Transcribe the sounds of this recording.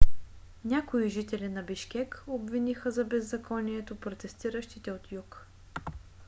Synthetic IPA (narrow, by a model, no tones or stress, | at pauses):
nʲakoiʒit̪ɛlinɐbiʃkʲɛkobvinixəzɐbɛzːɐkʰɔniɛt̪opɾot̪ɛst̪iɾəʃt̪it̪ɛot̪juk